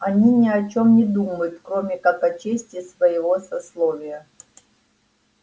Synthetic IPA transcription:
ɐnʲinʲɪɐt͡ɕomnʲɪd̪uməjʊt̪kɾomʲɪkakɐt͡ɕesʲtʲɪsvəjɪvosɐslˠovʲɪjə

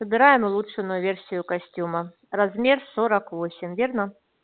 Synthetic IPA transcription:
səbʲɪɾajɪmʊlˠutʂɨnʊjʊvʲersʲɪjʊkɐsʲtʲumə | rɐzmʲersoɾəkvosʲɪmʲvʲernə

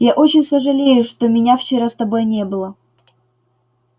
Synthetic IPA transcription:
jaʔot͡ɕɪnʲsəʐɨlʲejʊʂt̪omʲɪnʲaft͡ɕɪɾast̪ɐbo̞jnʲe̞bɨlˠə

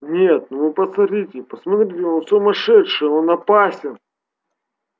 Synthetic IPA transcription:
nʲet̪̚nʊvɨpɐsɐt̪ɾʲitʲɪpəsmɐt̪ɾʲitʲɪonsʊmɐʂɛt̪ʂɨjonɐpasʲɪn

